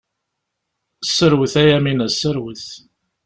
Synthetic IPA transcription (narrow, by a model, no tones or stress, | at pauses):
sːəɾwəθæjæminæsːəɾwəθ